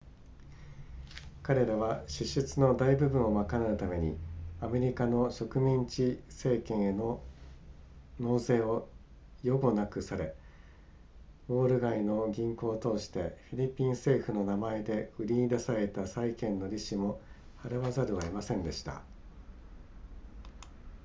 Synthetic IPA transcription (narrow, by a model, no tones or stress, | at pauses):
kaɾe̞ɾaβaɕɨɕːɨt͡sɨno̞d̪aibɯ̟bɯ̟̃ɰ̃o̞makanaɯ̟t̪ame̞ɲ̟ḭame̞ɾʲikano̞ɕo̞kɯ̟mʲĩɲ̟t͡ɕise̞ːkẽ̞ɰ̃eno | no̞ːse̞ːo̞ | jo̞ɡo̞nakɯ̟saɾe̞ | bo̞ːɾɯ̟ɡaino̞ɡʲĩŋko̞ːt̪o̞ːɕi̥t̪e̞ɸʲiɾʲipʲĩɰ̃se̞ːɸɯ̟no̞namae̞d̪e̞ɯ̟ɾʲiɲid̪asaɾe̞t̪asaikẽ̞nːo̞ɾʲiɕimo̞ | haɾɯβazaɾɯ̟βaimasẽ̞nd̪e̞ɕi̥t̪a̰